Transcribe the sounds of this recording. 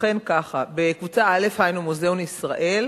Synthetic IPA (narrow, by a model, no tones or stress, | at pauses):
e̞nkaχabe̞kvut͡saale̞fhajnumuzeonisʁaʔe̞l